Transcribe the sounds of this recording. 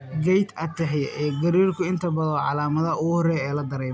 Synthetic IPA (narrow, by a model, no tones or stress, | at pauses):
ɡɛjt̪ʰɐt̪ʰːɐɦɛjɛːɡɐɾiːrkʰʊɪnt̪ʰɐbɐðɔːʕɑlaːmɐðɐɐʊɣhɔrɛːɛːlɐd̪ɐɾɛːm